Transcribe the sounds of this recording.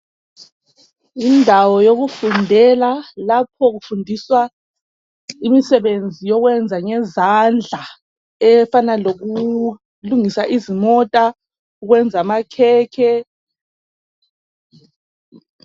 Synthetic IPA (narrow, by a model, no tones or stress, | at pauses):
indʱawɔjoɣufundʱɛlalapʰɔɣufundʱiswa | imisɛβend͡zʱijɔɣwɛnd͡zʱaŋɛzand͡ɮʱa | ɛfanaloɣu | luŋisaʔizimɔtʼa | uɣwɛnd͡zʱamakʰɛːkʰɛ